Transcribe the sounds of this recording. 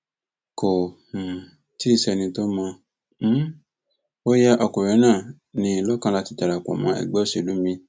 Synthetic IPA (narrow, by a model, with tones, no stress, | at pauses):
ko˨h̩˨ | ti˦i˦˧sɛ˧nĩ˧to˦mɔ̃˧˦ | o˦ja˦ʔɔ˧ko˨ɾɛ˨˧˦nãː˦˨ | nĩ˧lɔ˦kã˦la˧ti˧ta˨ɾa˨kʷɔ̰˨mã˨˦ɛ̰˨ɡ͡bɛ˦ʃe˧˨lu˨˦mĩ˧